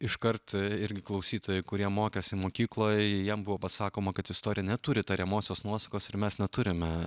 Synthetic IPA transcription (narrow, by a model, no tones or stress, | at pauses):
ɪʃkɐɾt̪ɪɾʲɡʲɪklˠɐʊsʲiːt̪oːjɛɪkʊɾʲiɛmoːkʲɛsʲɪmoːkʲiːklˠoːjjɛmbʊʋoːpɐsɑːkoːmɐkɐt̪ɪst̪oːɾʲɪjɛnʲɛt̪ʊɾʲɪt̪ɐɾʲɛmoːsʲoːsnuɔsɐkoːsɪmʲɛsnʲɛt̪ʊɾʲɪmʲɛ